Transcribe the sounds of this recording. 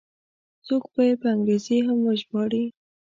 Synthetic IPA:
t͡sokpəjepəaŋɡɾezeɦamwəʒbɑɽi

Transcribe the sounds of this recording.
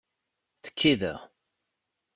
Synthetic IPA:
θə̥kʰːiðə̰ʁ

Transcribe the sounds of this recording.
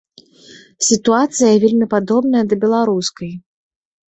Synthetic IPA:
sʲit̪uat̪sɨjɐvʲelʲmʲipad̪ɔbnɐjɐd̪ɐbʲɛlˠaɾuskɐj

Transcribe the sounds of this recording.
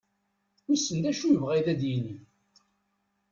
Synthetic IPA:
ʊsːənd̪æʃujəvʁæjðæd̪jini

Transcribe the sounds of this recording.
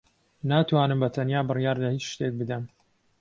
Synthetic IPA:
naːt̪ʰwaːnɨmbɐt̪ʰɐnjaːbɨrjaːɾlɐhit͡ʃʃt̪ek̚bɨd̪ɐm

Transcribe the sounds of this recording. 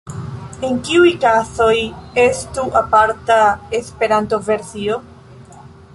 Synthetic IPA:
eŋkiujkaso̞je̞stuʔapaɾtaespe̞ɾanto̞ve̞ɾsio̞

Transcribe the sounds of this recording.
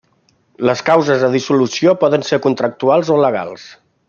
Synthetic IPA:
ləskawzəzðəðisulusiopɔðənseɾkunt̪ɾək̚t̪ualˠzoləɣ̞a̰lˠs

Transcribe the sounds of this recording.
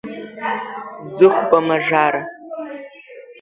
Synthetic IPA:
zɨχʷbɐmɐʒaːɾɐ

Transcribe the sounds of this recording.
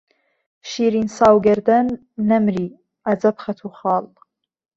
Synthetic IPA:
ʃiːɾiːnsaːwɡɐɾd̪ɐnː | ɐmɾiː | ɐd͡zɐpχɐt̪ʰuχɑːl

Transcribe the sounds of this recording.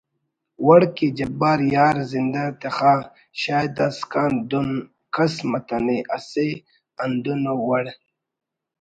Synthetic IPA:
wɐɽkid͡ʑɐbaːɾjaːɾzind̪at̪exaː | ɕaːjd̪askaːnd̪un | kɐsmɐt̪aneʔase | and̪unowɐɽ

